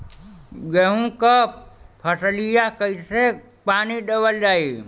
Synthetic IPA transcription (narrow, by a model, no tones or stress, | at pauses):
ɡeɦũkəpʰəslijakəise | paniɖebəld͡ʒaːi